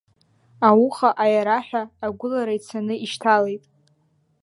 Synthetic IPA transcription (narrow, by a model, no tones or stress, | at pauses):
awuχaʔajaɾaħʷᶣaːɡʷʊlaɾait͡sʰanɨiʃtʰale̞jtʼ